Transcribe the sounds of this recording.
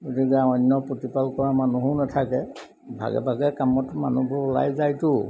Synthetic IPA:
ɡotikɛaɔnːɔpotipalkɔɹamanuɦunatʰakɛ | bʱa̰ɡɛ̰bʱaɡɛkamɔtma̰nubʱʊɹʊla̰jzajtʊ

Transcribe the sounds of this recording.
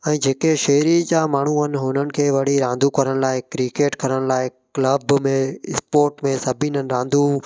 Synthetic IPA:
ɛ̃ːd͡ʑʱeːkeʃeːɾid͡ʑamaːɳ̤uɦɐnɪ̆ɦʊnənɪ̆kʰeːʋɐɽ̤iɾãːnd̪ʱukɐɾəɽ̃̆laːɪkɾikeːʈkʰɐɾəɽ̃̆laːɪkləbmẽɪspoːɾʈmẽsɐbʱinənɪ̆ɾãːnd̪ʱũ

